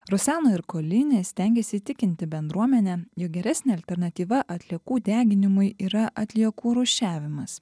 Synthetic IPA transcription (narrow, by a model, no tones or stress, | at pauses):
ɾʊsʲæːnoːɪɾkoːlʲɪnʲeːsʲt̪ʲɛˑŋʲɡʲesʲɪt̪ʲɪkʲɪnʲt̪ʲɪbʲɛnd̪ɾuɔmʲɛnʲɛjoːk̚ɡʲɛɾʲæsʲnʲeːɐlʲt̪ʲɛɾnɐt̪ʲiːʋɐʔɐt̪ʲlʲiɛkuːd̪ʲæːɡʲɪnʲɪmʊɪiːɾɐʔɐt̪ʲlʲiɛkuːɾʊʃʲæːʋʲɪmɐs